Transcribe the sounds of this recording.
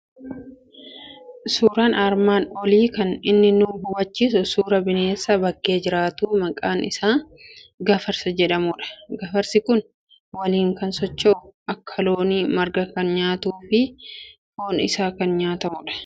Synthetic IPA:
suːɾaːnaɾmaːnɔliːkɐnɪnːɪnuːbʊwɐt͡ʃːis̬ʊsuːɾɐbɪne̞ːsːɐbɐɡʼːe̞ːd͡ʒɪɾaːt̪uːmɐkʼaːnɪsaː | ɡɐfɐɾsɐd͡ʒɛᶑɐmʊᶑɐ̥ɡɐfɐɾsɪkʊn | wɐliːŋkɐnsɔt͡ʃːɐʊɐkʰːɐloːniːmɐɾɡɐkɐnɲaːt̪uːfɪ | hoːnɪ̰saːkɐnɲaːt̪ɐmʊᶑɐ̥

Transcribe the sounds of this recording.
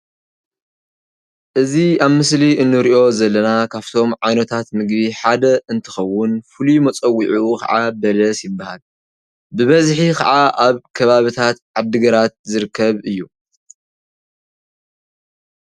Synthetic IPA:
ʔɨziaβmɨsliʔɨnːɨɾiʔo̞zɐlːɐnakʰaβt̪ʰo̞mʕajnɐt̪ʰat̪mɨɡbiħad̪ɐɨnt̪ʰɨ̥xɐwːʊnfɨlumɐt͡sʼɐwːiʕukʰɐ̰ʕabɐlɐsjɪbːaha̰l | bɨβɐzħikʰɐ̰ʕaʔaβkʰɐβaβɨt̪ʰat̪ʕad̪ːɨɡɐɾat̪̚zɨɾɨkʰːɐβɨjːu

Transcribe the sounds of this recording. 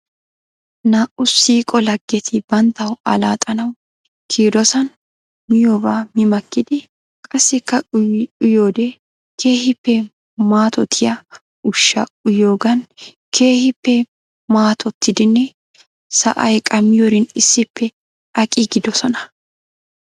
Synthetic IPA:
naːʔʊsiːkʼɔlɐɡːɛt̪ʰɪbɐnt̪ːɐwɐ̰laːt̪ʼɐnɐw | kʰiːd̪ɔsɐn | mɪjoːbaːmɪmɐkːɪd̪ɪ | kʼɐsːɪkːɐʊjoːd̪ɛ | kʰe̞ːhɪpːɛ | maːt̪ɔt̪ʰɪjɐ | ʊʃːɐ̰ʊjo̞ːɡɐn | kʰe̞ːhɪpːɛ | maːt̪ʰɔt̪ːɪd̪ɪnːɛ | sɐ̰ʔɐjkʼɐmɪjoɾɪnɪsːɪpːɛ | ɐkʼɪɡɪd̪ɔsɔnɐ̥

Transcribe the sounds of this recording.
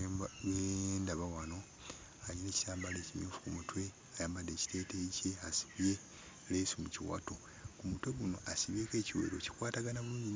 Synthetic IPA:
βendaβawano̞ | alineːci̥saːmbaleːcimjuːfu̥kumutwe̞ | ajaːmbade̞ːci̥te̞ːteiceasi̥βje̞ | leːsumuciwa̰to | kumutwe̞ɡuno̞̰ʔasiβeke̞ːciwe̞̰ɾo̞̰ci̥kwaːtaɡanaβuuɲin

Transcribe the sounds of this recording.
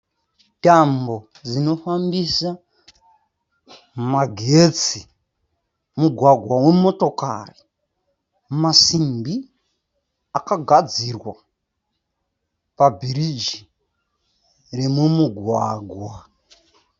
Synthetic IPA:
tambo̞ | d͡zino̞fambisa | maɡʱet͡si | muɡʱwaɡʱwawe̞mo̞to̞ka̰ri | masimbi | akaɡʱad͡zirwa | pabʱiɾid͡ʒi | remumuɡʱwaɡʱwa

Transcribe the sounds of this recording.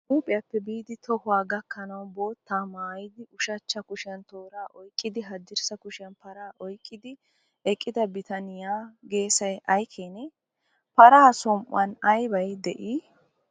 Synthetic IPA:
uːpʼɪjɐpːɛbiːd̪ɪt̪ʰɔhʊwaːɡɐkːɐnɐwbo̞ːt̪ːaːmaːjɪd̪ɪʔʊʃɐt͡ʃːɐkʊʃɪɐnt̪o̞ːɾaːʔɔjkʼːɪd̪ɪɦɐd̪ɪɾsɐkʊʃɪɐnpɐɾaːʔɔjkʼːɪd̪ɪ | ɛkʼːɪd̪ɐbɪt̪ɐnɪjaːɡe̞ːsɐjɐjkʰeːnɛ | pɐɾaːsɔmʔɐnɐjbɐjd̪ɛʔi

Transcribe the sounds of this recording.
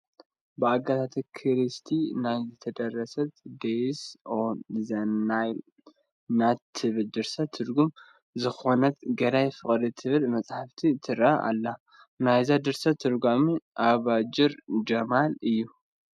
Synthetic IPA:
bɨaɡat̪ʰat̪ʰikʰɨɾɨst̪ʰinajzɨt̪ʰɐd̪ɐrːɐsɐt̪d̪esozɐnaj | nat̪ʰɨβɨld̪ɨɾsat̪ʰɨɾɡum | zɨxo̞nɐt̪ɡɐɾajfɨχʼɾit̪ʰɨβɨlmɐt͡sʼħaft̪ʰit̪ʰɨɾʔaʔa̰lːa | najzad̪ɨɾsat̪ʰɨɾɡamiʔaβad͡ʒɪɾd͡ʒɐmalɨjːu

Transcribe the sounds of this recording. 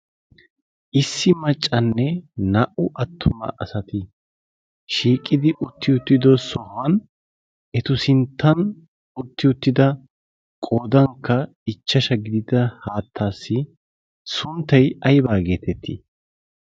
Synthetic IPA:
ʔɪsːɪmɐt͡ʃʼːɐnːɛnɐʔʊʔɐt̪ʰːʊmɐ̰ʔɐsɐt̪ɪ | ʃiːkʼːɪd̪ɪʔʊt̪ːɪʊt̪ːɪd̪ɔsɔhɐn | ʔɛt̪ʊsɪnt̪ʰːɐn | ʊt̪ːɪʊt̪ːɪd̪ɐ | kʼo̞ːd̪ɐŋkːɐ | ɪt͡ʃːɐʃɐɡɪd̪ɪd̪ɐhaːt̪ʰːaːsːɪ | sʊnt̪ːɐjɐjbaːɡe̞ːt̪ɛt̪ʰːḭ

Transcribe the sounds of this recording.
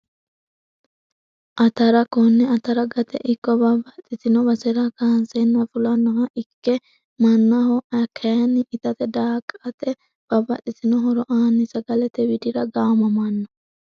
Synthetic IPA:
ʔɐt̪ɐɾɐkɔnːɛɐt̪ɐɾɐɡɐt̪ɛ̰ʔɪkːɔbɐbɐt̪ʼɪsɪnɔbɐsɛɾakansenːɐfʊlɐnːɔhɐʔɪkːɛ | mɐnːɐhɔʔɐkʰːɐɐnːɪʔɪt̪ɐt̪ɛd̪aːkʼːɐt̪ɛ | b̥ɐbɐt̪ʼɪt̪ɪnɔɦɔɾɔʔaːnːɪsɐɡɐlɛt̪ɛwɪd̪ɪɾɐɡaːmɐmɐnːɔ

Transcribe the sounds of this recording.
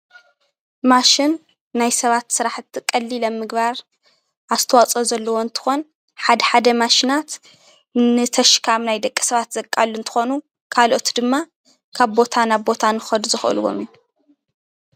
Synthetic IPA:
maʃɪnː | ajsɐβat̪sɨɾaħt̪ːkʼɐlːilɐmːɨɡβaɾ | aβzɨ̥t̪ʰɐwat͡sʼozɐlːɐwoɨnt̪ʰɨ̥xo̞n | ħad̪ɐħad̪ɐmaʃinat̪ | nɨt̪ʰɐʃkʰamnajd̪ɐkʼːi̥sɐβat̪zɐkʼːalːuɨnt̪ʰɨ̥xonu | kʰalʔo̞t̪d̪ɨmːa | kʰaβbo̞t̪ʰanaβbo̞t̪ʰanɨxɐd̪uzɨxʔɨ̰luwo̰mju

